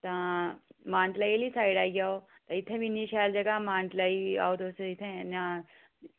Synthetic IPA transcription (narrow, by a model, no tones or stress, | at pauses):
t̪ɐ̃ | mãːɳʈlailisaːiɽaːiɡaːo | t̪ɐ̃it̪ʰːẽbiniʃaːld͡ʒɐɡamãːɳʈlaia̰ːod̪oːsit̪ʰẽna